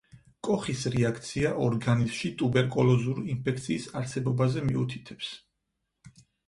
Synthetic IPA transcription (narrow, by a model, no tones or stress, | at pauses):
kʼɔχisɾiakʰt̪sʰiaʔɔɾɡanizmʃit̪ʼubɛɾkʼɔlˠɔzuɾiinpʰɛk̚ʰt̪sʰiːsaɾsɛbɔbazɛmiut̪ʰi̥t̪ʰɛ̥ps